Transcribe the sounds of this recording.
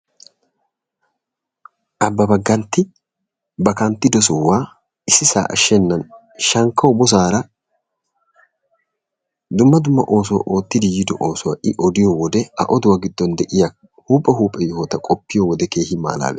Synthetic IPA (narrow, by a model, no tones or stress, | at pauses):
ʔɐbːɐbɐɡːɐnt̪ːɪ | bɐkɐnt̪ːɪd̪ɔsɔwːaː | ɪsːɪsa̰ːʔɐ̰ʃɛnːɐn | ʃɐŋkːɐwʊbɔs̬aːɾɐ | d̪ʊmːɐd̪ʊmːɐ̰ʔo̞ːs̬ɔwɐ̰ʔo̞ːt̪ːɪd̪ɪjɪd̪ɔʔoːsɔwɐʔɪʔɔd̪ɪjɔwɔd̪ɛɐ̰ʔɔd̪ʊwɐɡɪd̪ːɔnd̪ɛʔɪjɐ | huːpʼːɛɦuːpʼːɛjɔhɔt̪ɐkʼɔpːɪjɔwɔd̪ɛke̞ːhɪma̰ːla̰ːbɛ